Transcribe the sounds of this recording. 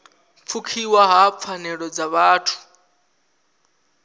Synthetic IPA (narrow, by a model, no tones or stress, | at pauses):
p̪fʰukʰiwaɦap̪fʰanɛɺɔd͡zaβaːtʰu̥